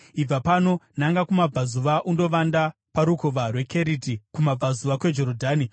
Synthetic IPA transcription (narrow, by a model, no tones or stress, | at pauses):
ib͡vapano̞naŋɡakumab͡vazuʋaʔundo̞ʋanda | paɾukoʋarwe̞kʰe̞ɾitikumab͡vazuʋakwe̞d͡ʒo̞ɾodʱaːni